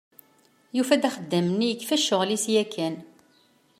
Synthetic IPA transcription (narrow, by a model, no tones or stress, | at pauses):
jufæd̪æχəd̪ːəmnːijəkːfæʃːʊʁlisjækːæn